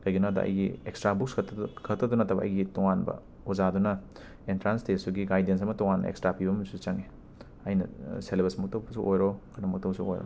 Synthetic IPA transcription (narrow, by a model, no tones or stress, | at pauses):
kɐjɡinadɐ̰ʔɐ̰jɡiekstɾabukskʰɐtːɐdunɐtʰɐbɐ̰ɐ̰jɡitoŋanbɐ̰ | ozadunɐ | entɾanstesuɡiɡajdens̬ɐmɐtɔŋanːɐ̰ḛkstɾapibɐmisut͡ʃɐŋe | ɐjnɐ̰selebesmɐk̚tɐwbɐsuʔojɾokʰɐnɐmɐk̚tɐwbsuo̰jɾo̰